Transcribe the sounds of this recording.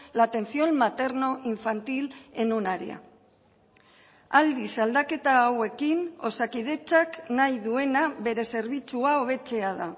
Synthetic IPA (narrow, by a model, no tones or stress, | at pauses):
lat̪e̞nsio̞nmat̪e̞ɾno̞ʔiɱfant̪ile̞nunaɾḭa̰ | ald̪isald̪ake̞t̪aːwe̞kino̞sakið̞e̞t͡saknajðue̞naβe̞ɾe̞se̞ɾβit͡suao̞β̞e̞t͡se̞aða